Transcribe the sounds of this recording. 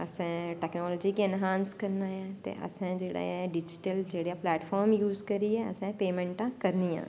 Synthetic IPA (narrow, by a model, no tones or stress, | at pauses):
əsɛ̃ːʈɛːknɔːlɔːd͡ʒiːkiɛnɦaːnskəɾnaːɛ̃ːt̪ḛːʔə̰sãːd͡ʒeːɽa̰ːɛɖɪd͡ʒɪ̥ʈəld͡ʒeːɽijaːplɛːʈfʰɔːɾmjuːzkəɾiːɛːə̰sɛ̃ːpeːmɛ̃ːɳʈãːkəɾnijã̰ː